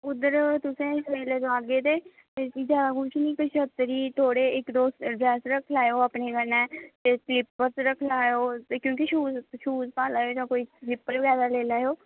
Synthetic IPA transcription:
ʊd̪əɾt̪ʊsẽːɪsmeːleːd͡ʒ̪oaːɡeːt̪eː | et͡ʃiːd͡ʒjaːd̪aɡʊ̃ːt͡ʃʰnĩːkət͡ʃət̪ɾiːt̪ʰoːɽeːɪkd̪oːsɖɾɛːsɾəkʰlaːjoːaːpneːɡənɛːt̪eːslɪpːət̪ɾəkʰlaːjoːt̪ekjõːk̬iʃuːzʃuːzpaːlaːjoːd͡ʒãːkoːiːlɪpːəlɡaːd̪aːleːlaːjoː

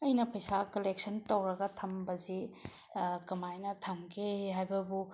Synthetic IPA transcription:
ɐjnɐpʰɐjsakɐlek̚sɐntowɾɐɡɐtʰɐmbɐzi | kɐmajnɐtʰɐmkʰehɦajbɐbu

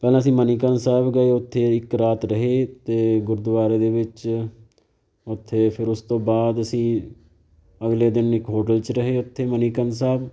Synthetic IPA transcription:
pɛːlãːəs̬ĩːməniːkənsaːbɡəeːʊt̪ʰːeːɪkɾaːt̪ɾəɦeːt̪eːɡʊɾd̪ʋaːɾeːd̪eːʋɪt͡ʃ | ʊt̪ʰːeːpʰɪɾʊst̪õːbaːd̪əsĩː | əɡleːd̪ɪnɪkɦoːʈəlt͡ʃɾəɦeːʊt̪ʰːeːməniːkəns̬aːb

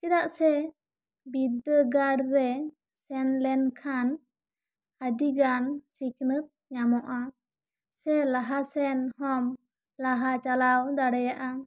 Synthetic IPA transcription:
t͡ʃɛd̪aʔsɛ | bid̪əɡaɖɾɛ | sɛnlɛnkʰan | adiɡansiknət̪̚ɲamɔʔa | sɛlaɦasɛnhɔm | laɦat͡ʃalawd̪aɽɛjaʔa

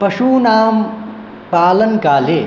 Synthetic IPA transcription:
pɐʃuːnaːm | paːlɐnkaːleː

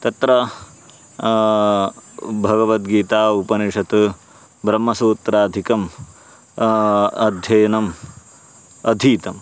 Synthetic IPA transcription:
t̪ɐt̪ɾɐ | bʱɐɡɐʋɐt̪ɡiːt̪aːupɐniʂɐt̪ɨ | bɾɐmːɐsuːt̪ɾaːd̪ʱikɐm | ɐd̪ʱjɐjɐnɐm | ɐd̪ʱiːt̪ɐm

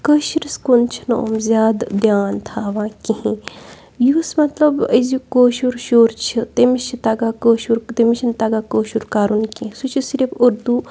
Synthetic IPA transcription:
kəʃiɾiskont͡ʃʰino̰ːmzʲjaːd̪d̪jaːnt̪ʰaːʋãːkiɦĩ | jusmɐt̪lɐbəzjikoːʃuɾʃoːɾt͡ʃʰit̪emiʃʰit̪ɐɡaːkəːʃuɾt̪emiʃʰint̪ɐɡaːkoːʃuɾkaːɾunkĩsut͡ʃʰisiɾibuɾd̪u

